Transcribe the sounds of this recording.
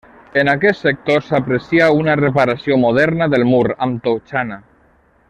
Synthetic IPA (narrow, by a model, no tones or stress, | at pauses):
enakɛsek̚t̪osapɾesiaunarepaɾasjomoð̞ɛɾnaðelmuɾa̰mt̪owt͡ʃana